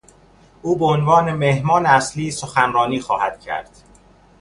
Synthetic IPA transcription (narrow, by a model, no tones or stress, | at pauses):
ʔuːbeonvɒːne̞mehmɒːneæsliːsoxænɾɒːniːxɒːhæd̪̥̚cʰæ̰ɾd̪̥